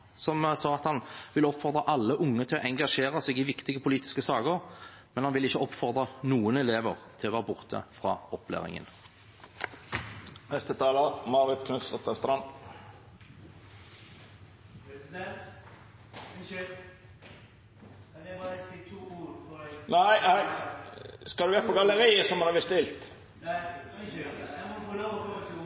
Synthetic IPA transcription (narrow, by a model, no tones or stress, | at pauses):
sɔmsɑːɑt̪hɑnʋɪlɔpfɔʁd̪ʁɑʔɑlːəʔʊŋːət̪ʰɪlɔ̰ʔɛŋɡɑʃeːʁəseːɡɪʋɪkt̪ɪɡəpʰʊliːt̪ɪ̥skəsɑːkəʁ | mɛnhɑnʋɪlɪçːəɔpfɔʁd̪ʁənuːənɛleːʋəʁt̪ʰɪlɔʋæːʁbʊʁt̪ʰə̰fʁɑ̰ːɔpʰlæ̰ːʁɪ̰ŋə̰n | nɛst̪ət̪ʰɑːləmɑːʁɪt̪kʰnʉsd̪ɔt̪ɛst̪ɾɑn | t̪ʰː | næɪæ | skɑld̪ʉʋɛːpɔɡɑləʁiːəsɔmɔɑbɪst̪ɪlt̪